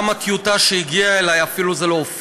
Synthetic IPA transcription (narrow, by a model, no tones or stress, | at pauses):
makjutaʃeiɡiaelajafiluzeloof